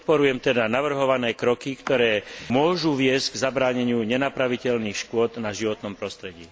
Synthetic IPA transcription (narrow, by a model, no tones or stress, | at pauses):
pɔt̪̚pɔɾujɛmt̪ɛd̪anaʋr̩ɦɔʋanɛːkɾɔkikt̪ɔɾɛːmʊɔʒuʋɪɛz̥ɡzabɾaːɲɛɲɪuɲɛnapɾaʋicɛʎniːxʃkʊɔd̪naʒiʋɔt̪nɔmpɾɔst̪ɾɛɟḭː